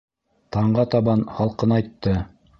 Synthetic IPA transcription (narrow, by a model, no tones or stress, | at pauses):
t̪ɑɴɢɑt̪ɑβɑnχɑlˠqɤnɑjt̪ːɤ